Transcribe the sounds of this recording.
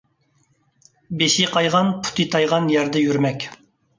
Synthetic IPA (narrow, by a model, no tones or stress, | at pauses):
beʃiqʰɑjʁɑnpʰu̥t̪ʰɨt̪ʰɑjʁɑnjæɾd̪ɛjyɾmɛkʲ